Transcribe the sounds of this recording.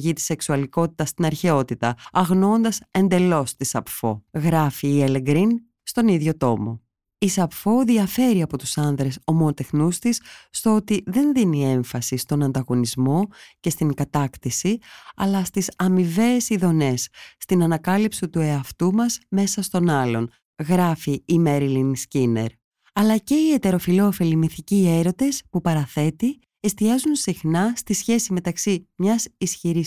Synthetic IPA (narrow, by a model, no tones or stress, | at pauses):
ʝit̪i̥se̞ksuɐliko̞t̪i̥t̪ɐst̪inɐɾçe̞o̞t̪it̪ɐɐɣno̞nd̪ɐse̞nd̪e̞lo̞st̪isɐpfo̞̰ɣɾɐfiːeleɡɾin | st̪o̞niðʝo̞t̪o̞mo̞̰ | isɐpfo̞ðiɐfe̞ɾiɐpo̞t̪usɐnðɾe̞so̞monot̪e̞xnust̪isːt̪o̞o̞t̪iðe̞nðinie̞ɱfɐsist̪o̞nɐnd̪ɐɣo̞nizmo̞ce̞st̪iŋkɐt̪ɐkt̪isiɐ̰lɐst̪isɐmive̞ːsiðo̞ne̞sːt̪inɐnɐkɐlipsit̪ue̞ɐft̪umɐzme̞sɐst̪o̞nɐlo̞n | ɣɾɐfiːmeɾilinscine̞̰ɾ | ɐlɐce̞ie̞t̪e̞ɾo̞filo̞ːfe̞limiθicie̞ɾo̞t̪e̞spupɐɾɐθe̞t̪i | e̞st̪iɐzunsixnɐst̪isçe̞sime̞t̪ɐksimɲɐsisçiɾi